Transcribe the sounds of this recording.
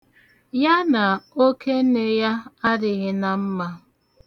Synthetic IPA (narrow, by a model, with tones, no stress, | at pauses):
ja˦na˨o˦ke˦ne˦ja˦a˦dɪ˨ɣɪ˦na˨m̩˦ma˦